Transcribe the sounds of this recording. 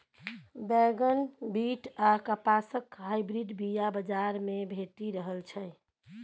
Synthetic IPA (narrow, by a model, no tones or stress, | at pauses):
bɛɡənbiʈʰakəpasəkɦajbɾiɖbijabəd͡ʒaɾmebʱet̪iɾəɦəlt͡ʃʰəj